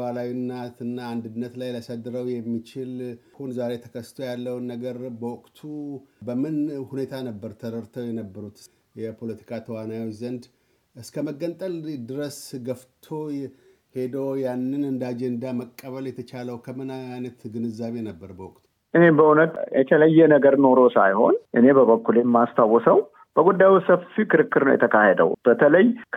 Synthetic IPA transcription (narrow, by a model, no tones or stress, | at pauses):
alawinːat̪ɨnːaːnd̪ɨnːət̪lajləsəd̪ːɨɾəwjɛmːit͡ʃɪlhunzaɾe̞t̪ʰə̥kʰəst̪ʰo̞jalːəwnːəɡəɾbəwɔkʼt̪ʰubəmɨnhune̞t̪ʰanəbːəɾt̪ʰəɾəɾt̪ʰəwjɛnəbːəɾut̪ | jɛpʰo̞lət̪ʰi̥kʰat̪ʰəwanajwot͡ʃːzənd̪ | ɨskʰəməɡːənt̪ʼəld̪ɨɾəsɡəft̪ʰo̞he̞d̪əwjanːɨnɨnd̪ad͡ʒend̪aməkʼːəβəljɛt̪ʰət͡ʃaləwkʰəmɨnajnət̪ɡɨnɨzːaβe̞nəbːəɾbəwɔkʼt̪ | ʔɨne̞bəhunət̪jʔɛ̰t̪ʰələjːɛnəɡəɾno̞ɾo̞sajho̞̰nʔɨne̞bəβəkːuljɛmːast̪ʰawːɔsəw | b̥əɡud̪ːajisəfikɨɾɨkːɨɾnəwjɛ̰t̪ʰəkʰahed̪ə̰wb̥ət̪ʰələjkʰ